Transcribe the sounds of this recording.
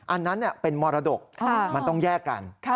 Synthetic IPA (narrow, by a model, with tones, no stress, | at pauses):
ʔa˧nːa˦˥nːi˥˩əpe˧nmɔː˧ɾa˧do˨˩k̚kʰa˥˩ma˧nt̪ɔ˥˩ŋjɛː˥˩kːa̰˧nkʰ